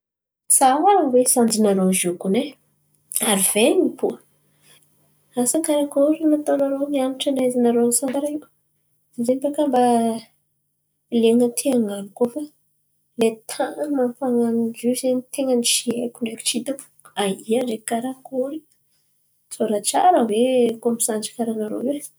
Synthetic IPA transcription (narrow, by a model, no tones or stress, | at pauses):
sawawesand͡ʒinaɾozukune | aɾiv̥enipuə | asakaɾakoɾinat̪anaɾomianiʈ͡ʂanaizinaɾonisand̪aɾaiw | zempakamba | leŋət̪ʰiaŋanukofa | let̪ʰamamfaŋanid͡ʒizenit̪eŋəniʃiekuɳɖ͡ʐeku̥t͡ʃit̪aku̥aiaɖ͡ʐekaɾakoɾi | t͡soɾat͡ʃa̰ɾəvekomisand͡ʒi̥kʲaɾanaɾo̰e